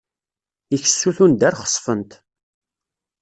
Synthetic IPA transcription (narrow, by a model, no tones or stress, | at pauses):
içə̥sːuθund̪æɾχə̥sˤfənt̪